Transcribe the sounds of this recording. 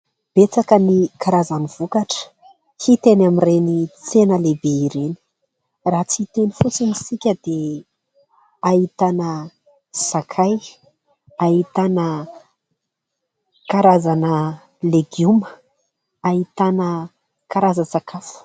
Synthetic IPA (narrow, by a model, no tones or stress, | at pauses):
b̥et͡sakənikaɾazaniv̥ukaʈ͡ʂə̥ | hit̪enamirenit͡senəlebeiɾeni̥ | rat͡sit̪enifut͡sinisikʲəd̪̥e | ahit̪anə | sakʰaj | ait̪anə | kaɾazanə | leɡumə̥ | aɦit̪anə | kaɾazəsakafə̥